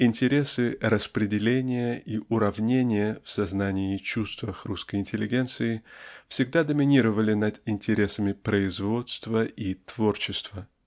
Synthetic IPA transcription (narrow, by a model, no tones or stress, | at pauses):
ɪnʲtʲɪɾʲe̞sɨɾəspɾʲɪdʲɪlʲenʲɪjəiʔʊɾɐvnʲenʲɪjəfsɐznanʲɪɪt͡ɕust̪vəxruskəjɪnʲtʲɪlʲːɪɡʲe̞nt̪sɨɪfsʲɪɡ̚d̪ad̪əmʲɪnʲiɾəvəlʲɪnəd̪ɪnʲtʲɪɾʲe̞səmʲɪpɾəɪzvo̞t̪st̪vəit̪vo̞rt͡ɕɪst̪və